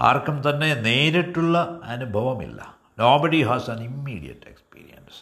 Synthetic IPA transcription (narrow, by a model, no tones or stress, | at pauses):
a̰ːrkːɐmt̪ɐnːe̞ne̞ːɾiʈːuɭːɐɐnubʱɐʋɐmḭlːɐ̰ | noːbɐɽiɦaːsɐnimːḭːɽijɐ̰ʈːe̞̰kspḭːɾḭjɐns